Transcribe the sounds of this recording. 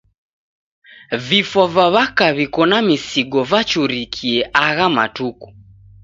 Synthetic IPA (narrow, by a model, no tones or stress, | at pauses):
vifɔvaβakaβikɔnamisiɡɔvat͡ʃuɾikʰiɛʔaɣama̰tuku̥